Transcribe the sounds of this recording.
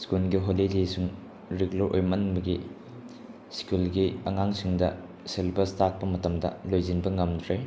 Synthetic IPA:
skulɡiɦolidisuŋ | ɾiɡloɾʔojmɐnbɐɡi | skulɡiɐŋaŋsiŋdɐ | selbɐstak̚pɐmɐtɐmdɐ̰lojzinbɐŋɐmdɾe

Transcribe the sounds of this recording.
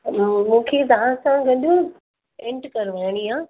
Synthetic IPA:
mũːkʰet̪ɐʋ̤ãsãɡɐɗo | ẽɳʈkɐɾʋaːɽ̃iãː

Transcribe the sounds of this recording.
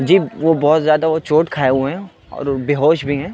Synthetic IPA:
d͡ʒiːʋobɔːt̪zjaːd̪aʋot͡ʃoːʈkʰaːeɦueɦɛ̃ | ɔ̰ːɾbeɦoːʃbʱiɦɛ̃

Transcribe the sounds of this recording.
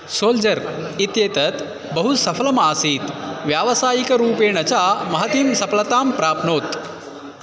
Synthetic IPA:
soːld͡ʒɐɾ | it̪jeːt̪ɐt̪ | bɐɦusɐfʰɐlɐmaːsiːt̪ʋjaːʋɐsaːjikɐɾuːpeːnɐt͡ʃaːmɐɦɐt̪imsɐpɐlɐt̪aːmpɾaːpʰnoːt̪

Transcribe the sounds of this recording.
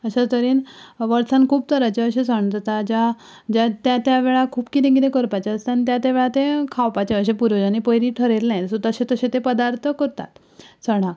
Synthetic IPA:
əɕat̪əɾiːnʋəɾsãnkʰuːp̚t̪əɾat͡ɕeəɕẽsəɳ̃t̪ət̪ad͡ʑa | d͡ʑat̪jat̪jaʋeɭakʰuːbkit̪ẽk̬it̪ẽkəɾpat͡ɕaəst̪anit̪̬jat̪jaʋeɭat̪ekʰawpat͡ɕeəɕẽpuɾʋəd͡ʑanipəjɾiːʈʰəɾelnajet̪sut̪əɕẽt̪əɕẽt̪epəd̪aɾt̪ʰəkəɾt̪a̰t̪ | səɽ̃ã

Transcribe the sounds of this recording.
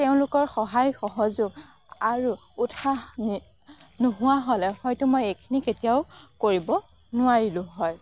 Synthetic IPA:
teʊ̃lʊkɔɹxɔɦajxɔɦɔzʊɡ̚ | aɹu | utʰa | noɦʊwaɦɔlɛxɔjtʊmojejkʰiniketijaʊkoɹibɔ | nʊaɹilʊ̃ɦɔj

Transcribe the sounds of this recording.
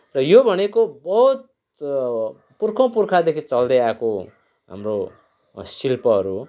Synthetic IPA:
rʌjobʱʌnekobʌɦut̪̚ | purkʰõpurkʰad̪ekʰit͡sʌld̪eako | ɦa̰mro | silpʌɦʌɾu

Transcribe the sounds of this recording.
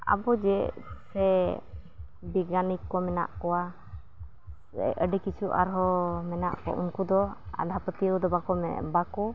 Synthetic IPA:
a̰bɔd͡ʒɛsɛ | biɡanikːɔmɛna̰ʔkɔwa | ɛ̰əɖɛkit͡ʃʰuʔa̰ɾɦɔmɛna̰ʔkɔ̰ʔunkud̪ɔa̰d̪ʱapət̪iəwd̪ɔbakɔmɛbakɔ

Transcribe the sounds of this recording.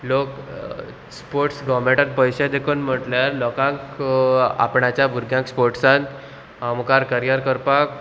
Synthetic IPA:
lok | spoɾʈsɡɔmẽʈat̪̚pəjɕad̪ekʰənm̤əʈljaɾlɔkãŋk | a̰pɳat͡ɕjabʱuɾɡʱjãŋkspoɾʈsãnt̪ | amkaɾkəɾjaɾkəɾpak

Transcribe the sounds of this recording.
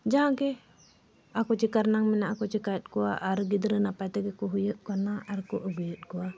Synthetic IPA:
d͡ʒaɦaŋkɛ | akɔt͡ʃikaɾnaŋmɛnaʔakɔt͡ʃikaɛt̪̚kua̰ʔaɾɡid̪ɾənapat̪ɛɡɛkɔɦujət̪̚kanaaɾkɔʔəɡujət̪̚kua

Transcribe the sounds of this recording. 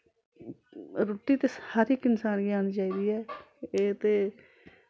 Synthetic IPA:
ɾoʈiːt̪eːsaːɾikɪnsaːnɡjaːnit͡ʃaːiːd̪iːɛːeːt̪eː

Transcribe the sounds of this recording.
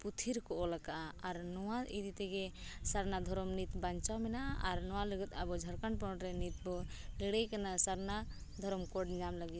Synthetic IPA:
put̪ʰiɾkɔʔɔləkaaɾnɔwaid̪ʱit̪eɡesaɾnad̪ʱɔɾɔmnit̪bant͡ʃamɛnaa̰ɾnɔwaləɡət̪abɔd͡ʒʱəɾkəɳpɔʈɾɛnit̪bɔliɽɛjkənasəɾna | d̪ʱɔɾɔmkoʈd͡ʒamləɡit̪

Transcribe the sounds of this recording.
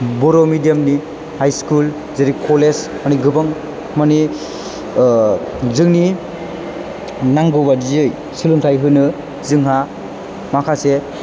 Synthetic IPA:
bɔɾomidijamni | hajskul | zeɾikʰɔles | maniɡɯbaŋ | mani | zɯŋni | naŋɡɯbazj | siluŋtʰajɦɯnɯ | zɯŋɦa | makʰase

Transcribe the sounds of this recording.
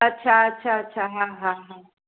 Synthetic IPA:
ɐtːʃʰaɐtːʃʰaɐtːʃʰaɦãɦãɦã

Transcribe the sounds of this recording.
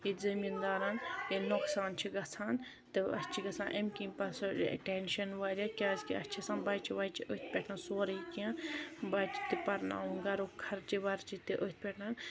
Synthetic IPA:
izɐmind̪aːɾaːnjenoksaːnt͡ʃʰiɡɐt͡sʰaːn | t̪ɨɐ̰st͡ʃʰiɡɐt͡sʰãːnʔemkĩpɐsɐ̰ʈenʃɐnʋaːɾʲaːkʲaːskiɐt͡ʃʰisãːnbɐːt͡ʃʰiʋɐːjt͡ʃʰiʔət̪̚ʰpʲeʈʰnansoːɾɐikiãbat͡ʃi̥t̪ipɐɾna̰ːũɡɐɾuːkʰɐɾt͡ʃiʋɐɾt͡ʃit̪iʔot̪̚ʰpʲeʈʰnaːn

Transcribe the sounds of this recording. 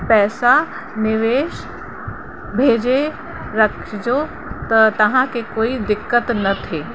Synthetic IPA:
pɛːsa | nɪʋeːʃ | bʱeːd͡ʒe | ɾɐkʃd͡ʒoː | t̪ɐt̪ɐɦãkekoːid̪ɪkːət̪nɐt̪ʰeː

